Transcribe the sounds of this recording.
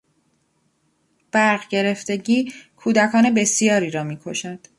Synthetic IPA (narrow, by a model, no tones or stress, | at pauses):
b̥æɾʁɟe̞ɾe̞ft̪e̞ɟiːkʰuːd̪ækʰɒːne̞be̞sijɒːɾiːɾɒːmiːkʰo̞ʃænd̪̥